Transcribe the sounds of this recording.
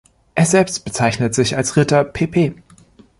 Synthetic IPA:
ʔeːɐzɛlpst̚b̥ət͡saɪçnətz̥ɪçalsʁɪtɐpʰeːpʰeː

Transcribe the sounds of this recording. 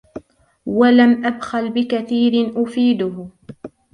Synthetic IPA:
walamʔabxalbɪkaθiːɾɪnʔʊfiːd̪ʊh

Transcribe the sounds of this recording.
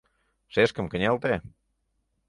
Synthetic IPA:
ʃeʃkə̆mkə̆nʲelt̪e

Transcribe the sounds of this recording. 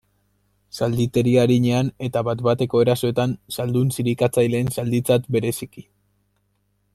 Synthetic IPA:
sald̪it̪e̞ɾiaɾiɲe̞ane̞t̪aβat̪bat̪e̞ko̞e̞ɾaso̞e̞t̪ansald̪unsiɾikat͡sajle̞ːnsald̪it͡sat̪be̞ɾe̞siki

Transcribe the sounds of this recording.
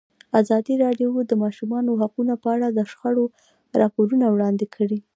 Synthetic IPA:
azɑd̪iɾɑɖjowd̪əmɑʃumɑnoɦaqunapəaɽad̪əʃxaɽo | ɾɑpoɾunawɽɑnd̪ekʰəɽi

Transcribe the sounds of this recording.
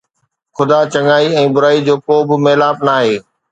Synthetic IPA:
xʊd̪at͡ɕɐŋaːiɛ̃ːbʊɾaːid͡ʑoːkoːbɪmeːlaːpnaːɦeː

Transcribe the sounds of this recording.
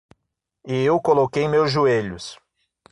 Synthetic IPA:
ɪewkolokejmewzʒueʎʊs

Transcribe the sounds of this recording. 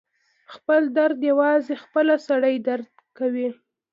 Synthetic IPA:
xpəld̪aɾd̪jawɑzexpəlasaɽəjd̪aɾd̪̚ | kawi

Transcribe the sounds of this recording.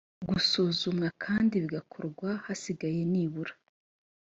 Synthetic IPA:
ɡusuːzumŋakʰaːndiβiɡakʰoɾɡwahasiɡaje̞niːβuɾḁ

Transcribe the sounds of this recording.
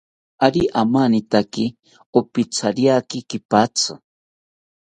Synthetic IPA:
aɾiʔamanit̪aki | opit͡sʰaɾjakikipat͡sʰɨ

